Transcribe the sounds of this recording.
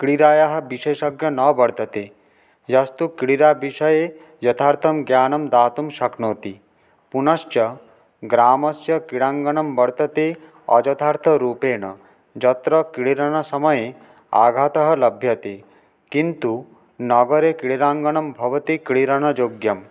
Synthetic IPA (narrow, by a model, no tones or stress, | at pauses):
kiɽiɾaːjɐɦɐ̆biʃeːʃɐɡjɐnɐbɐɽt̪ɐt̪e | d͡ʒɐst̪ukiɽiɾabiʃɐje | d͡ʒɐt̪ʰaːɾt̪ʰɐmɡjaːnɐmd̪aːt̪umʃɐknoːt̪i | punɐst͡ʃɐ | ɡɾaːmɐsjɐkiɽaːŋɡɐɳɐmbɐɽt̪ɐt̪e | ɐ̰d͡ʒɐt̪ʰaːɾt̪ʰɐɾuːpeːɳɐ̰ | d͡ʒɐt̪ɾɐkiɽiɾɐɳɐsɐmɐje | a̰ːɡʱaːt̪ɐɦɐ̆lɐbʱjɐt̪e | kint̪u | nɐɡɐɾekiɽiɾaːŋɡɐɳɐmbʱɐʋɐt̪ikiɽiɾɐnɐd͡ʒoːɡjɐm